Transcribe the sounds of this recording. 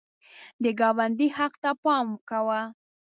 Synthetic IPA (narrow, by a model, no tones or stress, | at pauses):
d̪əɡɑwand̪ihaqt̪apɑmkawa